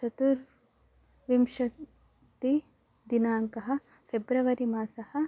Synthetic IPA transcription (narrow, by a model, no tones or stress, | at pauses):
t͡ʃɐt̪uɾ | ʋimʃɐ | t̪i | d̪inaːŋkɐɦɐ̆ | pʰebɾɐʋɐɾimaːsɐhɐ̆